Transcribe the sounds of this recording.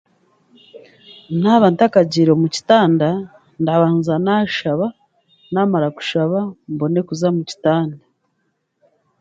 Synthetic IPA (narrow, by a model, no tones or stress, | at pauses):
naβaːntakaɟiɾomuci̥taːnda | ndaβaːnzanaʃaβa | naːmaɾaku̥ʃaβambo̞ne̞kuzamuci̥taːnda